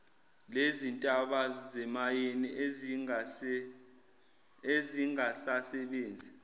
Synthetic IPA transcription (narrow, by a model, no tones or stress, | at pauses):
lezintʼaɓazzɛmajeni | eziŋasasɛɓeːnd͡zʱi